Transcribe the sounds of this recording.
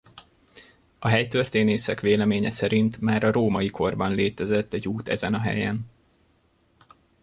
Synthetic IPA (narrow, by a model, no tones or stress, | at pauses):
ɒɦɛjt̪ø̞rt̪eːneːsɛkʋeːlɛmeːɲɛsɛɾint̪maːɾɒɾoːmɒjikʰo̞rbɒnleːt̪ɛzɛt̪ːɛɟːuːt̪ɛ̰zɛnɒɦɛ̰jɛn